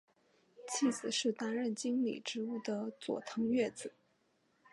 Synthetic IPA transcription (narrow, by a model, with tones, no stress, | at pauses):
t͡ɕʰi˥˩t͡sɹ̩˨˩ʂɻ̩˥˩t̪a˥nɻə˥˩nt͡ɕi˥ŋlḭ˨˩ʈ͡ʂɻ̩˧˥u˥˩d̪ə˩t͡swɔ̰˨˩t̪ʰɤ˧˥ŋɥɛ˥˩t͡sɹ̩˨˩˦